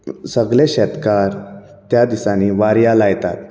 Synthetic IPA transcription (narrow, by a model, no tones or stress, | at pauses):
səɡleɕɛt̪kaɾ | t̪jad̪isaniːʋaɾjalajt̪a̰t̪̚